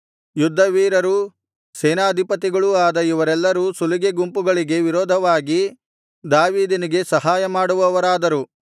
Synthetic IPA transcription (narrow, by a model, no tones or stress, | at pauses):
jud̪ʱːɐʋiːɾɐɾu | sɛːnaːd̪ʱipɐt̪iɡɐɭuaːd̪ɐiʋɐɾɛlːɐɾusuliɡeɡumpuɡɐɭiɡe̞ʋiɾɔːd̪ʱɐʋaːɡi | d̪aːʋiːd̪iniɡe̞sɐɦaːjɐmaːɽuʋɐʋɐɾaːd̪ɐɾu